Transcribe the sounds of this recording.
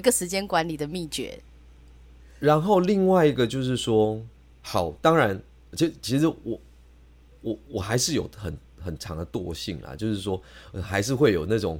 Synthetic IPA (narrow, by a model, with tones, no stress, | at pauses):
i˧ɡə˨˧ʂɻ̩˧˥t͡ɕjɛ˥nkwa˧˦nli˨˩d̪ə˩mi˥˩t͡ɕɥɛ̰˧˥ | ɻa˨˧˦nxo˥˧ʊli˥˧ŋwa˥˩ɪi˧˦ɡə˨t͡ɕjo˥˧ʊʂ̬ɻ̩˥˩ʂwɔ˥ | xɑ˨˩˦ʊt̪ɑ˥ŋɻa˧˦˥n | t͡ɕʰi˧˥t͡ɕʰi˧˥ʂɻ̩˧˥wɔ˨˩˦ | wɔ˨˩˦wɔ˨˩xa˧˥ɪʂɻ̩˥˩jo̰˨˩ʊxə˨˩n | xə˨˩nʈ͡ʂʰɑ̰˧˦˥ŋd̪ə˨t̪wɔ˥˧ɕḭ˥˩ŋlə̰˨˩t͡ɕjo˥˧ʊʂɻ̩˥˩ʂwɔ˥˨˩xa˧˥ɪʂ̬ɻ̩˥˧xwe˥˩ɪjo˨˩ʊna˥˩ʈ͡ʂʊ̰˨˩ŋ